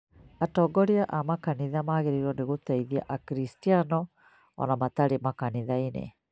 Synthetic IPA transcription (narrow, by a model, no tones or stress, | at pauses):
atɔɡɔɾiaʔamakaniðamaɣeɾeɾɔneɣot̪ɛiðia̰ʔakɾistianɔ | ɔ̰namat̪aɾemakaniðainḛ